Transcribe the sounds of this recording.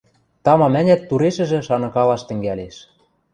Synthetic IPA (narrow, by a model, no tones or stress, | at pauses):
t̪ɑmɑmænʲæt̪ːuɾeʃɘ̆ʒɘ̆ʃɑnɤ̆kɑlɑʃt̪ɘ̆ŋɡæleʃ